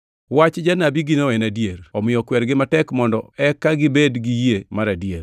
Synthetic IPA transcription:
wat͡ʃd͡ʒanabiɡɪnoɛnadieɾɔmɪjɔkwɛɾɡɪmatɛkmɔndɔɛkːaɡɪbedɡijemaɾadier

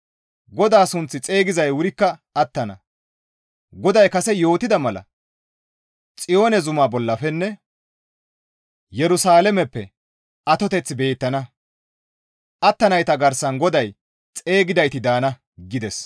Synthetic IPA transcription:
ɡɔd̪aːsʊnt͡sːɪt͡sʼe̞ːɡɪzɐjwʊɾɪkːɐɐt̪ːɐnɐ̰ | ɡɔd̪ɐjkɐsɛjo̞ːt̪ɪd̪ɐmɐlɐ̰ | t͡sʼɪjo̞ːnɛzʊmaːbɔlːɐfɛnːɛ | jɛɾʊsaːlɛmɛpːɛ̰ | ʔɐt̪ɔt̪ɛt͡sːɪbe̞ːt̪ːɐnɐ | ʔɐt̪ːɐnɐjt̪ɐɡɐɾsɐnɡɔd̪ɐj | t͡sʼe̞ːɡɪd̪ɐjt̪ɪd̪aːnɐ | ɡɪd̪ɛs

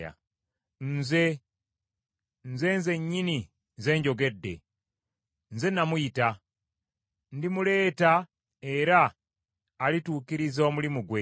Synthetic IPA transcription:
a̰ | nze | nze̞nze̞ɲːini | ze̞ɲɟo̞ɡe̞dːe̞̰ | nze̞namwuita | ndimule̞ːta | e̞ɾaː | lituːkiɾizomulimuɡwe

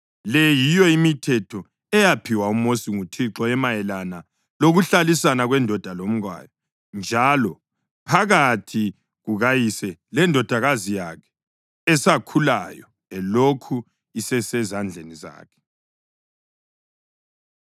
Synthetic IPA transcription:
lɛjijɔimitʰɛtʰɔ | ɛjapʰiwaumosiŋutʰiǁɔɛmajɛlana | loɣuɬalisanaɣwɛndʱɔd̥ʱalom̩ɣwa̰ːjɔ | nd͡ʒʱalɔ | pʰaɣatʰi | ɣuɣajisɛlɛndʱɔd̥ʱaɣazijakʰɛ̥ | ɛsakʰula̰jɔ | ɛlokʰu | isɛsɛzand͡ɮʱeniza̰ːkʰɛ̥

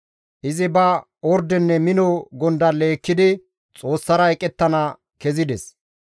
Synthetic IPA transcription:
ʔɪzɪbɐ | ɔɾd̪ɛnːɛmɪnɔɡɔnd̪ɐle̞ːkːɪd̪ɪ | t͡sʼo̞ːsːɐɾɐɛkʼɛt̪ːɐnɐ | kɛzɪd̪ɛs

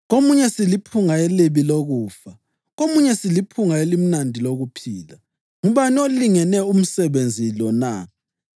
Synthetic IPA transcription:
ɣomuɲɛsilipʰuŋaeliβiloɣuːfa | ɣomuɲɛsilipʰuŋaelim̩nandʱiloɣupʰiːla | ŋuβanioliŋɛnɛum̩sɛβend͡zʱilɔna

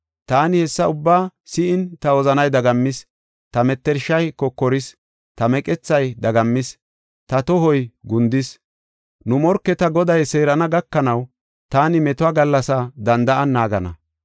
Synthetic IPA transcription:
t̪aːnɪhɛsːɐʊbːaːsɪʔɪnt̪ɐwɔzɐnɐjd̪ɐɡɐmːɪs | t̪ɐmɛt̪ːɛɾʃːɐjkɔkːɔɾɪs | t̪ɐmɛkʼɛt͡sːɐjd̪ɐɡɐmːɪs | t̪ɐt̪ɔɦɔjɡʊnd̪ɪs | nʊmɔɾkːɛt̪ɐɡɔd̪ɐjse̞ːɾɐnɐɡɐkːɐnɐw | t̪aːnɪmɛt̪ʊaːɡɐlːɐsɐd̪ɐnd̪ɐʔɐnːaːɡɐ̰nɐ̰

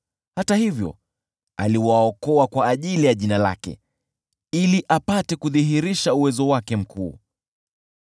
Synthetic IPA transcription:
hatahivjɔ̰ | a̰liwaɔkɔakwaːʄilijaʄinala̰kɛ̰ | iliʔapatɛkuðiɦiɾiʃauwɛzɔwakɛm̩kʰuː

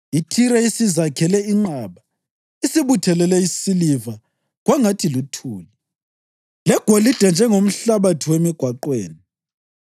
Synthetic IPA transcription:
itʰiɾaisizakʰɛlɛiŋ͡ǀaːβa | isiβutʰɛlɛlɛisiliva | ɣwaŋatʰilutʰuːli | lɛɡ̥ʱolid̥ʱand͡ʒʱɛŋom̩ɬaβatʰiwemiɡ̥ʱwaǃwḛːni

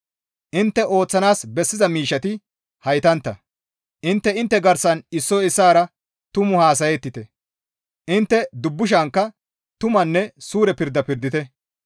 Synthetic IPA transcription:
ʔɪnt̪ːɛʔo̞ːt͡sːɐnaːsbɛsːɪzɐmiːʃːɐt̪ɪ | hɐjt̪ɐnt̪ːɐ | ʔɪnt̪ːɛɪnt̪ːɛɡɐɾsɐnɪsːɔɪsːaːɾɐ | t̪ʊmʊhaːs̬ɐjɛt̪ːɪt̪ɛ | ʔɪnt̪ːɛd̪ʊbːʊʃ̬aŋkːɐ | t̪ʊmɐnːɛsuːɾɛpɪɾd̪ːɐpɪɾd̪ɪt̪ɛ

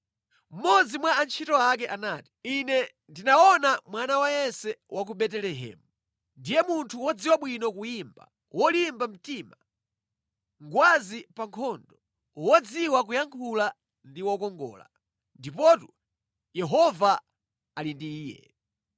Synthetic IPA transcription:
m̩mɔd͡zimwaant͡ʃʰitɔak̬ɛʔanaːti̥inɛ | ndinaɔnamwanawajɛnsɛwʔak̬uɓɛtɛlɛɦɛ̰ːmu | ndijɛmuntʰuwɔd͡ziwaɓwinɔkujimba̰ | wɔlimbam̩tima | ŋɡwazipaŋkʰɔndɔ | wɔd͡ziwak̬ujaŋkʰula | ndiwɔkɔŋɡɔ̰ːla̰ | ndipɔtu | jɛɦɔva | alindiːjɛ̰

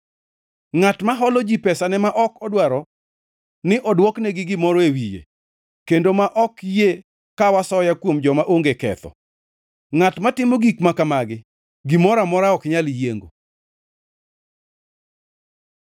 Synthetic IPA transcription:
ŋatmaɦɔlɔd͡ʒipɛsanɛmaʔɔkɔdwaɾɔ | nɪʔɔdwɔknɛɡɪɡɪmɔɾɔewijḛ | kendomaʔɔkje | kawasɔjakwomd͡ʒɔmaʔoŋɡekɛt̪ɔ̰ | ŋatmatɪmoɡikmakamaɡɪ | ɡɪmɔɾamɔɾaɔkɲaljeŋɡo̰

